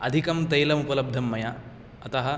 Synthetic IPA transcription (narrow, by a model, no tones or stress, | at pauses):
ɐd̪ʱikɐmt̪ɐjlɐmupɐlɐb̚d̪ʱɐmːɐja | ɐt̪ɐɦɐ